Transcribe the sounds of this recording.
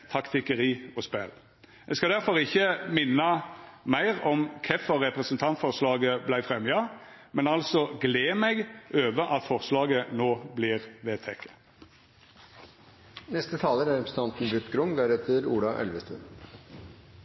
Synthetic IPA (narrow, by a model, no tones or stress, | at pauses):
t̪ʰɑkt̪ɪkəɾiːɔspɛl | ɛɡskɑd̪æʁfɔɾɪçːəmɪnːɑmæɪʁɔmkʰɛfɔʁɛpɾəsənt̪ʰɑnt̪fɔʁslɑːɡəblæɪfʁɛmjɑ | mɛnɑlsɔɡleːmɛɡʔøːʋəɾʔɑt̪fɔʁslɑːɡənoːbliːʁʋeːt̪ʰɛkːə̥ | nɛst̪ət̪ʰɑːləɾæɾɛpɾəsən̩t̪ʰɑnt̪n̩bʉt̪ːɡɾʊŋd̪æːɾɛt̪ːəɾuːɽɑʔɛ̰lʋəst̪ʉ̰ːn